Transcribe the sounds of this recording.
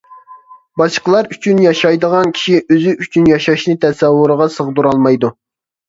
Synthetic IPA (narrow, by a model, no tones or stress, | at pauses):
bɑʃqəlˠɑɾyt͡ʃʰynjɑʃɑjd̪əʁɑnkʲʰi̥ʃiʔøzɪʔyt͡ʃʰynjɑʃɑʃnɨt̪ʰɛsɛwːuɾəʁɑsəʁd̪uɾɑlˠmɑjd̪u